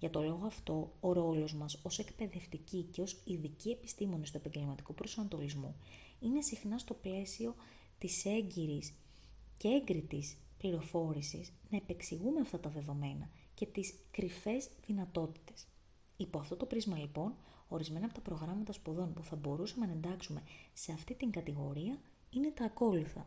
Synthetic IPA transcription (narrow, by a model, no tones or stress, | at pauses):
ʝɐt̪o̞lo̞ɣoɐft̪o̞oɾo̞lo̞zmɐso̞se̞kpe̞ðe̞ft̪icice̞o̞siðicie̞pi̥st̪imo̞nist̪ue̞pɐɲɟe̞lmɐt̪i̥kupɾosɐnɐt̪o̞lizmṵ | ine̞sixnɐst̪o̞ple̞sio̞ | t̪ise̞ɲɟiɾis | cee̞ŋɡɾit̪is | pliɾo̞fo̞ɾisḭsnɐepe̞ksiɣumeɐft̪ɐt̪ɐðe̞ðo̞me̞nɐ | ce̞t̪iskɾife̞zðinɐt̪o̞t̪i̥t̪e̞̥s | ipoɐft̪o̞t̪o̞pɾizmɐlipo̞n | o̞ɾizme̞nɐpo̞t̪ɐpɾo̞ɣɾɐmɐt̪ɐspuðo̞npuθɐbo̞ɾusɐmenɐe̞nd̪ɐksume̞se̞ɐft̪it̪iŋɡɐt̪iɣo̞ɾiɐ | ine̞t̪ɐːko̞luθɐ̰